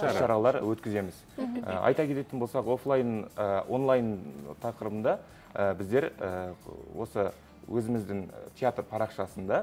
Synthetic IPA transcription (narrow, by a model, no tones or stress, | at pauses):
ʃɑɾɑlˠɑɾwɵt̪kʲɪze̞mɪzə̰ɑ̰jt̪ɑkʲet̪e̞t̪ɪnbo̞lsɑqo̞flˠajnʔo̞nlˠajnt̪ʰɑqəɾəbənd̪ɑ | əbɪzd̪e̞ɾəwo̞sə | wʔɵzɪmɪzd̪ɪŋt̪ʲʰeat̪rpʰɑɾɑqʃɑsənd̪ɑ